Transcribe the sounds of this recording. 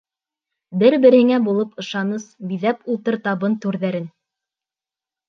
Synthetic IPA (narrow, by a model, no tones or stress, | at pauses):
bɘɾbɘ̆ɾhɘ̆ŋæbulˠɤpɤ̆ʃɑnɤsbiðæpulˠt̪ɤɾt̪ɑβɤnt̪ʉɾðæɾɘn